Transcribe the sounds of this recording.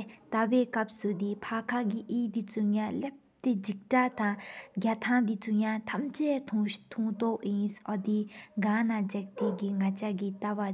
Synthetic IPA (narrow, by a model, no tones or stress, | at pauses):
t̪aweːkap̚sud̪ipʰakʰaɡiʔiːd̪it͡suŋjalep̚t̪ed͡ʑik̚ʈ͡ʂat̪aŋɡat̪ʰaŋd̪it͡sujat̪ʰamt͡ɕeːt̪ʰt̪ʰuŋt̪oʔjinsʔɔd̪iɡanad͡ʑak̚t̪eɡiŋat͡ɕaɡit̪awa